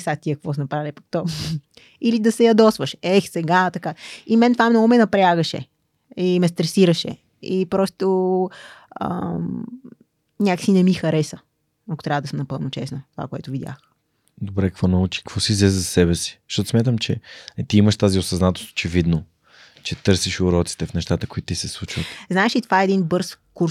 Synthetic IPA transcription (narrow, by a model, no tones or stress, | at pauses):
sat̪iɐk̚kvɔsnɐpɾalʲipɐk̚t̪ɔ | ilid̪ɐsɛjɐd̪ɔsvəʃɛxsɛɡat̪ɐkaimɛnt̪vamnɔɡʊmɛnɐpɾʲaɡəʃɛ̰ | imɛs̬t̪ɾɛsiɾɐʃɛ̰ | ipɾɔst̪o | ə̰ | nʲakə̥sinɛmixɐɾɛsə | ɐkʊ̥t̪ɾʲavəd̪ɐsəmnɐpɤlˠnʊt͡ʃɛsnət̪ova̰koɛ̰t̪ʊvid̪ja̰x | d̪obɾɛkə̥kvɔnɐut͡ʃi̥kəkvɔsizlɛzzɐsɛbɛsi̥zə̥ʃt̪ɔt̪ʊsmjat̪əmt͡ʃɛt̪iiməʃt̪aziosɐznat̪ost̪o̥t͡ʃɛvid̪no | t͡ʃɛt̪ɤɾsiʃʊɾɔt̪si̥t̪ɛfnɛʃt̪at̪əkoit̪ːt̪isɛslˠut͡ʃvət̪znaɛʃit̪ovaɛːd̪inbɤɾskuɾ